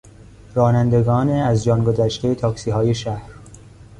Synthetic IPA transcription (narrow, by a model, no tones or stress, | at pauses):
rɒːnænd̪e̞ɡɒːneæzd͡ʒɒːnɡozæʃt̪ʰejet̪ʰɒːksiːɦɒːjeʃæhɾ